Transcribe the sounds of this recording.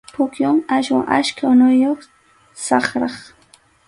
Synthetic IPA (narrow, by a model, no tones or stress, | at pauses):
pʊkjʊŋaʃwa̰ŋʔaʃkaʊnʊjoχ | sɑχɾɑχ